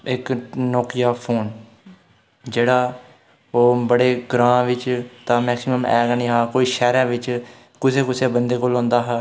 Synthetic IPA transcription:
ɪknɔːkɪjaːpʰoːn | d͡ʒeːɽaː | oːbəɽeːɡɾãːʋɪt͡ʃt̪ãːmɛːksɪməmɛːɡanĩːɦaːkoːiːʃɛːɾɛ̃ːʋɪt͡ʃ | kʊseːkʊseːbənd̪eːkoːlɔ̃ːnd̪aːɦɛː

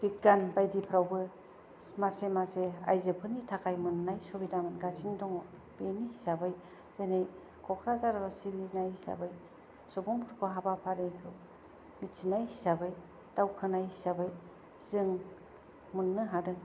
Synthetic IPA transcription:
b̥ik̚ɡanbajdipʰɾawbɯ | masemasea̰jzɯpʰɯnitʰakʰajmɯnːajsobidamɯnɡasʰindɔŋɔ | b̥enisabɯj | z̥enej | kʰɔkʰɾazaɾaɾasibinajsa̰bɯj | sɔbɔmʰɯɾkʰɔɦabapʰaɾejɾu | mit͡ʃʰinajsabɯj | tawkʰɯnajsabɯj | z̥ɯŋ | munːɯɦadɯ

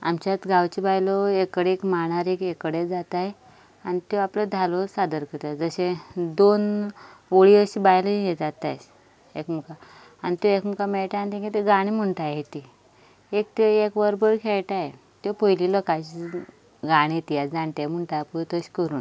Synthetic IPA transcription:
a̰mt͡ɕat̪ɡʱawt͡ɕibajlɔekəɽekmaɽ̃aɾekekəɽed͡zat̪aj | anit̪jɔapləd̪ʱalosad̪əɾkət̪ad͡zəɕẽd̪on | ʋoɭiəɕibajləjed͡zat̪ajs | ḛkmuka | anit̪jɔekmukamɛɭʈ̪aanit̪ẽŋket̪eɡaɽ̃im̤əɳʈ̪ajet̪i | ek̚t̪eekʋəɾbəɾkʰeɭʈaje | t̪ɔpoililɔkaɕi | ɡaɽ̃iet̪ijad͡zãɳʈ̪ajm̤əɳʈapət̪əɕkəɾuːn

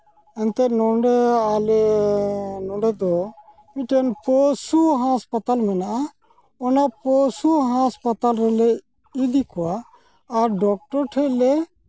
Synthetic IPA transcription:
ɛnt̪ɛʔnɔɳɖɛalɛ | nɔ̃ɖɛd̪ɔ | miʈɛnpɔsuɦãspat̪almɛnaʔa | ɔnapɔsuɦaspat̪alɾɛlɛ | id̪ikɔwaː | ɾɖɔk̚ʈɔɾʈʰɛʔlɛ

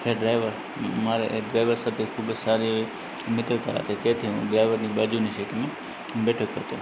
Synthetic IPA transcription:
kʰeɖɾaːɪʋəɾ | mãːɾḛɖɾaːɪʋəɾsɐt̪ʰekʰʊbsaːɾi | mɪt̪əlt̪aɾa̰ːt̪ʰet̪eːt̪ʰiṵ̃ɖɾaːɪʋəɾniːɓad͡ʒuːniʃeːʈmẽ | beːʈʰokɐt̪o̰ː

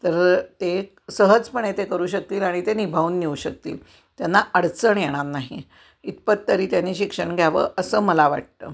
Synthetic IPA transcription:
t̪əɾt̪e | səɦəd͡zpəɳet̪ekəɾuːɕək̚t̪iːlaɽ̃it̪enibʱauːnːiuːɕək̚t̪ḭːl | t̪janːaʔəɽt͡səɳjeɽ̃anːaɦi | it̪̚pət̪t̪ːəɾiːt̪janːiːɕikʂəɳɡʱjaʋə̰ːʔəsəːməlaʋa̰ʈ̚t̪ə̰ː

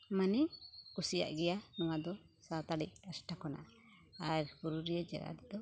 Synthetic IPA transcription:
manɛkusija̰ʔɡɛjanɔwad̪ɔ | sat̪aɽḭc̚asʈakɔna̰ | aɾkuɾuɾijɛd͡ʒɛ̰ɾa̰d̪ɛd̪ɔ

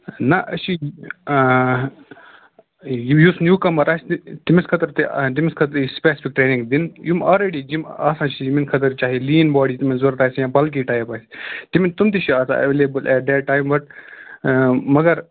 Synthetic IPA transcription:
nɐʔɐʃʰi | jujusnjuːkɐmɐɾaːsʲt̪imiskʰɐt̪ɐɾt̪id̪imiskʰɐt̪ɐɾispeːsi̥fik̚ʈɾeːnĩŋɡd̪injumɔːlɾeːɖid͡ʒimaːsãːt͡ʃʰid͡ʒiminkʰɐt̪̬ɐɾt͡ʃaːɦiliːnbaːɖit̪iminzuɾt̪aːsjãːbɐlk̬iʈaːjɐpasi̥t̪imint̪umt̪iʃʰiaːsã̰ʔɐ̰ʋeːleːbɐlʔɛʈ̚d̪ɛʈːaːjmʋɐʈ̚ | mɐɡɐɾ

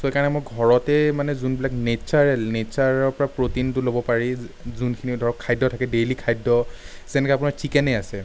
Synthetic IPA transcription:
soɛkaɹnɛmoɡʱɔɹɔtɛmanɛzunbilaknesaɹɛlnesaɹɔɹpɔɹapɹotintʊlobɔpaɹi | zunkʰinidʱɔɹɔkʰːajdɔtʰakɛdelikʰajdɔsɛnɛkɛapunaɹtʰikɛnɛasɛ

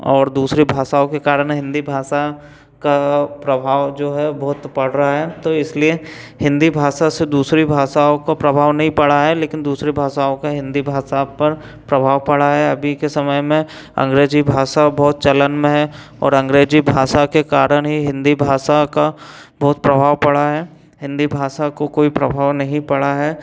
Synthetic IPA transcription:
ɔːɾd̪uːsɾibʱaːʃaːõkekaːɾəɽ̃ɦɪ̃nd̪ibʱaːʃa | kapɾɐbʱaːʋd͡ʒoːɦɛbɔːt̪pɐɽ̤ɾɐaɦɛːt̪oɪsliehɪ̃nd̪ibʱaːʃased̪uːsɾibʱaːʃaõkapɾɐbʱaːʋnɐɦĩpɐɽaɦɛleːkɪnd̪uːsɾibʱaːsaːõkaɦɪ̃nd̪ibʱaːsapɐɾ | pɾɐbʱaːʋpɐɽaɦɛɐbʱikesɐməjmẽ | ɐ̰̃ŋɡɾeːd͡ʒibʱaːʃabɔːt̪̚t͡ʃɐlənmẽɦɛ | ɔ̰ːɾɐ̃ŋɡɾeːd͡ʒibʱaːʃakekaːɾəɽ̃ɦiɦɪ̃nd̪ibʱaːʃaka | bɔːt̪pɾɐbʱaːʋpɐɽaɦɛː | ɦɪ̃nd̪ibʱaːʃakokoːipɾɐbʱaːʋnɐɦĩpɐɽaɦɛː

